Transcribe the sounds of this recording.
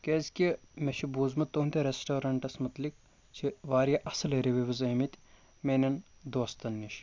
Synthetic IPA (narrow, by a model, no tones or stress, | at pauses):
kezʲkʲimeʃʰibuːzmɐt̪ːount̪ʲɐɾesʈoːɾɐɳʈɐsmɐt̪lik̚ | t͡ʃʰiʋaːɾijɐʔɐsɨleɾiʋiʋɐzɐːmit̪ʲ | menʲɐnd̪oːst̪ɐnːiʃ